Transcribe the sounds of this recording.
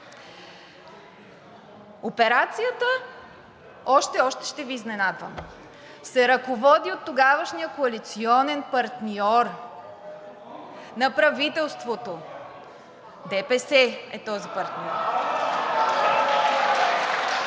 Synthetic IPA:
opɛɾat̪sijət̪ə | ɔʃt̪ɛɔʃt̪ɛ̥ʃt̪ɛviːznɛnad̪və̰m | sɛɾɐkovɔd̪iot̪ːoɡavəʃnijəkoɐlit̪siɔnɛnpɐɾt̪niɔɾ | nɐpɾɐvit̪ɛlˠst̪vot̪o | d̪ɛpɛsɛɛt̪ɔzipɐɾt̪niɔɾ

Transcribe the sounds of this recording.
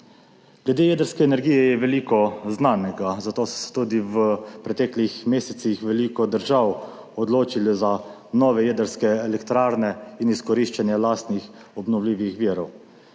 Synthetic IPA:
ɡ̥lɛd̪eːjed̪əɾskɛːnɛɾɡiːjɛjɛʋɛliːkɔznaːnɛɡazat̪oːsɔ̥sɛ̥t̪uːd̪iʋəpɾɛt̪ɛːklixmeːsɛt̪sixʋɛliːkɔd̪əɾʒaw | ɔd̪loːt͡ʃiliza | nɔːʋɛjɛd̪əɾskɛɛlɛkt̪ɾaːɾnɛiniskɔɾiʃt͡ʃanjɛlaːst̪nix | ɔbnɔwlʲiːʋixʋiːɾɔw

